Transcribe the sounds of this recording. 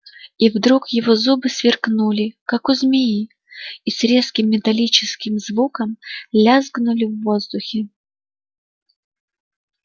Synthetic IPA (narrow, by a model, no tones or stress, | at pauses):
ivd̪ɾukjɪvo̞zubɨsvʲɪrknulʲɪkakʊzmʲɪji | isɾʲe̞skʲɪmːʲɪt̪ɐlʲit͡ɕɪskʲɪmzvukəmlʲazɡnʊlʲɪvːozd̪ʊxʲɪ